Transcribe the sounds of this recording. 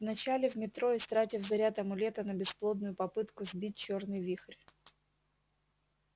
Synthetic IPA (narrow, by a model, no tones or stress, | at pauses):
vnɐt͡ɕalʲɪvmʲɪt̪ɾo̞ɪst̪ɾatʲɪvzɐɾʲat̪ɐmʊlʲet̪ənəbʲɪsplˠo̞d̪̚nʊjʊpɐpɨt̪kʊzbʲit̚ʲt͡ɕornɨjvʲixrʲ